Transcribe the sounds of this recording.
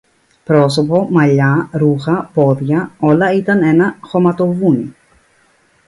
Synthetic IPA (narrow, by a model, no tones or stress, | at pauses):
pɾo̞so̞po̞mɐʎɐɾuxɐpo̞ðʝɐo̞lɐit̪ɐne̞nɐxo̞mɐt̪o̞vuni